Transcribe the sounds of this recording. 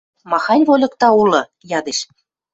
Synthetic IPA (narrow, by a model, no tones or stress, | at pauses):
mɑxɑnʲβolʲɤ̆kt̪ɑulɤ̆ | jɑd̪eʃ